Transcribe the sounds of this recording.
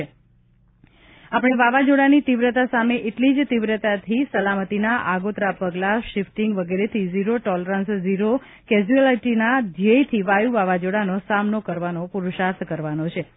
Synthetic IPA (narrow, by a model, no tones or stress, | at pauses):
e | apəɳ̃eʋaʋad͡ʒoɽanit̪iʋɾət̪asameʔeʈlid͡ʒt̪iʋɾət̪at̪ʰisəlamət̪inaʔaɡot̪ɾapəɡlaʃɪfʈiŋɡʋəɡeɾet̪ʰiziɾoʈɔləɾansziɾo | kɛzuəlaʈinad͡ʒiejt̪ʰiʋajuʋaʋad͡ʒoɽanosamnokəɾʋanopuɾuʃat̪kəɾʋanot͡ʃʰe